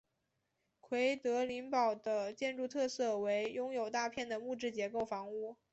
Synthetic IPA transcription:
kʰwe˧˥ɪt̪ɤ˧˥li˧˥ŋpɑ˨˩ʊd̪ə˦t͡ɕjɛ˥˧nʈ͡ʂu˥˧t̪ʰɤ˥˧sɤ˥˩we˧˥ɪjʊ˥ŋjo˨˩ʊt̪a˥˧pʰjɛ˥˩nd̪ə˩mu˥˧ʈ͡ʂɻ̩˥˩t͡ɕjɛ˧˥ko˥˩ʊfɑ˧˥ŋu˥˩

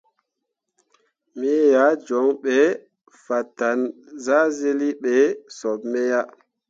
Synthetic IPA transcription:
mi˦ja˨˦d͡ʒɔ˨˦ŋɓɛ˨ | fa˨tːa˨n | za˦ze˦li˦ɓɛ˨sɔ˨bmɛ˦ja˦

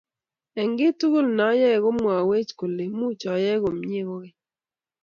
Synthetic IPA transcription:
ɛ˨ŋɡɪ˦tu˦ɣo˦lna˨˦jɛ˦˨ɣo˦mwa˨we˦t͡ʃko˨le˨mu˦t͡ʃɔ˨˦jɛ˦ɣo˨mɲ˦e˦ɣo˦ɣɪ˦

